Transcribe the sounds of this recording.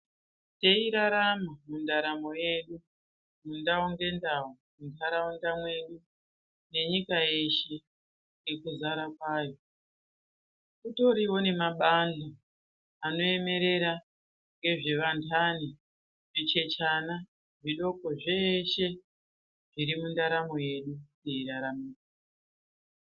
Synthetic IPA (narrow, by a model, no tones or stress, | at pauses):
te̞iɾaɾamamundaɾamo̞je̞ɗu | mundauŋɡe̞ndawo | mundaɾaundamwe̞ɗu | ne̞ɲikaje̞ʃe̞ | ŋɡe̞kuzaɾakwaːjo̞ | kuto̞ɾiwo̞ne̞maɓando | ano̞e̞me̞ɾe̞ɾa | ŋɡe̞ʐe̞ʋantʰani | ʐit͡ʃe̞t͡ʃana | ʐiɗo̞ko̞ʐe̞ʃe̞ | ʐ̥iɾimundaɾamoje̞ɗuneiɾaɾamuːi